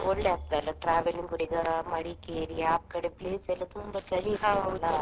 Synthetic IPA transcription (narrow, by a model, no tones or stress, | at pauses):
oɭːeaːk̚d̪alːɐʈɾaːʋeliŋɡuɽiɡɐmɐɽikeːɾiaːp̚kɐɽepleːsɛlːɐt̪umbɐt͡ʃɐɭiɦaːulːɐ